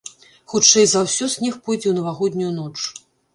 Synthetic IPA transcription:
xut͡ʂɛjzawsʲɔsʲnʲixpɔjd͡zʲɛwnɐvaɣɔd̪ʲnʲujunɔt͡ʂ

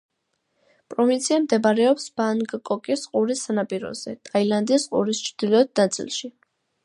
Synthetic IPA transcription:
pʼɾɔvint̪sʰiamd̪ɛbaɾɛɔpsb̥aŋkʼkʼɔkʼisqʼuɾisːanapʼiɾɔ̰z̥ɛt̪ʼailand̪isqʼṵɾist͡ʃʰɾd̪̥ilɔd̪̚nat̪sʼḭlˠʃi

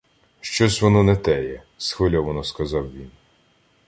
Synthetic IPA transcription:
ʃt͡ʃɔsʲʋɔnɔnɛt̪ɛjɛ | sxʋelʲɔʋɔnɔskɐzɑwʋʲin

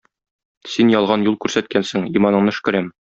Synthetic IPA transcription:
sinjɒlˠʁɑnjulˠkʉɾsæt̪̚kænsɘŋimɑnɤ̆ɴnɤɘ̆ʃkɘ̆ɾæm

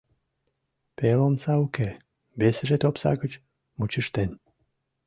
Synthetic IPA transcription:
pelomsauke | besəʒet̪opsɑ̰ɣət͡ɕ | mut͡ɕəʃt̪en

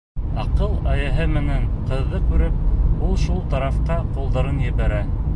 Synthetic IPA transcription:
ɑqɤlˠɑjæɦɘmɘ̆næɴqɤ̆ðːɤkʉɾɘp̚ulˠʃulˠt̪ɑɾɑfqɑqulˠd̪ɑɾɤnjɘ̆βæɾæ

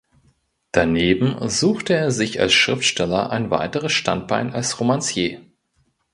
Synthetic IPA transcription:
d̥aneːbm̩zuːxtəeːɐzɪça̰lsʃʁ̥ɪftʃtɛlɐ̰ʔa̰ɪnva̰ɪtəʁəsʃta̰nt̚b̥a̰ɪnalsʁomansjeː

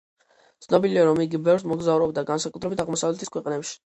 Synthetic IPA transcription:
t̪sʰnɔbiliaɾɔmiɡibɛvɾsmɔɡzavɾɔbd̪aɡansakʼut̪ʰɾɛbit̪ʰaʁmɔsavlɛt̪ʰiskʰwɛqʼnɛpʃi̥

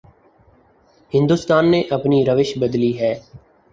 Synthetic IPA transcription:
hɪ̃nd̪uːst̪aːnːeːʔəpniːɾəʋɪʃbəd̪liːɦɛː

